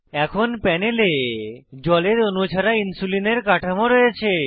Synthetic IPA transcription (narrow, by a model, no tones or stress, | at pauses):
ɛkʰonpɛneled͡ʑɔleɾonut͡ɕʰaɾainsulineɾkaʈʰamoɾɔjet͡ɕʰe